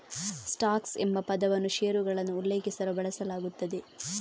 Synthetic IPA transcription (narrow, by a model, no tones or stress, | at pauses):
sʈaːksembɐpɐd̪ɐʋɐnːuʃeːɾuɡɐɭɐnːuːlːe̞ːkisɐlubɐɭɐsɐlaːɡut̪ːɐd̪e